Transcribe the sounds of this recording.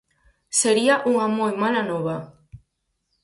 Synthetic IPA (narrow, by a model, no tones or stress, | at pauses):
seɾiaʔuŋamojmalanɔβa